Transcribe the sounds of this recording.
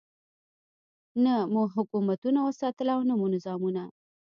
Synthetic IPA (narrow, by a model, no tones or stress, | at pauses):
namuɦʊkumat̪unawəsɑt̪əlawnamunɪzɑmuna